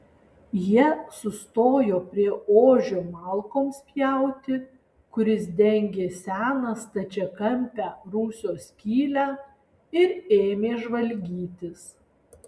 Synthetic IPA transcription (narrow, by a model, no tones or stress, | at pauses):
jiɛsʊst̪oːjoːpʲɾʲiɛoːʒʲoːmɑːˑlˠkoːmspʲjæˑʊt̪ʲɪ | kʊɾʲɪsd̪ʲɛŋʲɡʲeːsʲæːnɐst̪ɐt͡ʃʲɛkɐmʲpʲæːɾuːsʲoːsʲkʲiːlʲæː | ɪɾeːmʲeːʒʋɐlʲɡʲiːt̪ʲɪs